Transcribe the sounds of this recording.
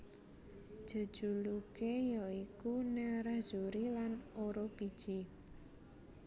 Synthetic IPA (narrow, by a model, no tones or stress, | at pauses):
d̥ʒ̥ə̤̥ʒ̥ulukejɔikuneɾḁʒ̥uɾilanoɾopi̥ʒ̥i